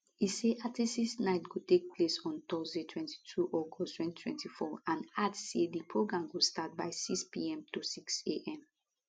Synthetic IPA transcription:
iseʔatisisnaɪtɡotek̚pʰlesɔ̃ntɔzdetʰwɛ̃nti̥tʰuʔɔɡɔstwɛ̃ntitʰwɛ̰̃ntifɔãnadsedipʰɹoɡɹãmɡostat̚baɪsikspḭɛ̃mtosikseʔɛ̃m

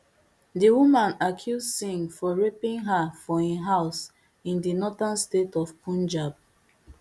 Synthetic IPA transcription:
diwumãnakʰjuzsĩŋfɔɹepĩŋɦafɔiɦaʊs | ĩndinɔtanstetɔfpʰũnd͡ʒab̚

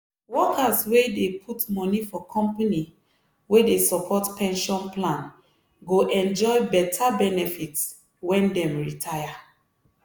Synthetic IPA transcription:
wɔkaswedepʰutmɔnifɔkʰɔ̃mpani | wedesɔpʰɔtpɛ̃nʃɔ̃nplãn | ɡoʔɛ̃nd͡ʒɔɪbɛtʰabɛnɛfits | wɛ̃ndɛ̃mɹitʰaja

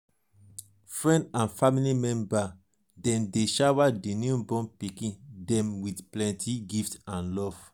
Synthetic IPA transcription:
fɹɛ̃ndãnfamilimɛ̃mba | dɛ̃ndeʃawadiniũbɔ̃npikĩndɛ̃mwidplɛ̃ntʰiɡiftãnlɔv̥

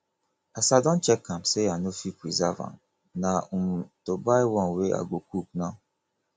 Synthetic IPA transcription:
asadɔ̃nt͡ʃɛkʰːãmseanofipɹizavã̰n | naũmtobaɪwɔ̃nweʔa̰ɡokuk̚nãʊ

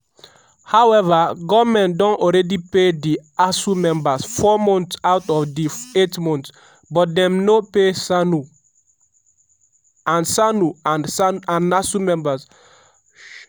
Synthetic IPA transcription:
hawɛvaɡɔmɛ̃ntdɔ̃nɔɹɛdipediasumɛ̃mbasfɔmɔ̃ntsawtɔfdietmɔ̃nt | bɔt̚dɛ̃mnopesanu | ãnsanuanãnasumɛ̃mbas

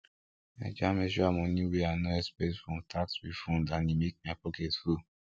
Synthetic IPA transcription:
mad͡ʒamɛʒɔamɔnĩweanoɛspɛtfɹɔ̃mtʰakswifɔ̃ndãnimek̚maɪpɔkɛtfu

